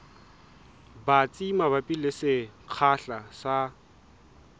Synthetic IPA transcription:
bat͡sʼimaβapʼilɪsɪq͡χʰaɬasa

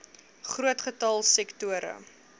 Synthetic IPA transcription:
χruətχətɐlˠsɛktuəɾə̰

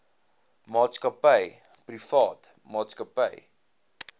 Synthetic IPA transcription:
mɑːtskəpəjprifɑːt | mɑːtskəpəj

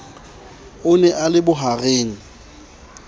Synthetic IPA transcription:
ʊnɛʔalɪbʊɦareːŋ̩

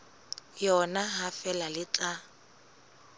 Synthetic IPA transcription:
jɔnaɦafɛlalɪt͡sʼa

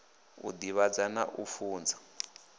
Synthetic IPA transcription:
ṵd̪iβad͡zanaʔufuːnd͡zḁ

